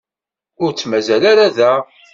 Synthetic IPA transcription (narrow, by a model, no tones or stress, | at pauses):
ʊɾt͡sːmæzælaɾaðæ